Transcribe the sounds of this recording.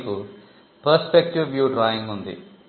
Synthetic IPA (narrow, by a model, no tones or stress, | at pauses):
ku | pɐɾspek̚ʈiʋːjuːɖɾaːjiŋɡund̪ḭ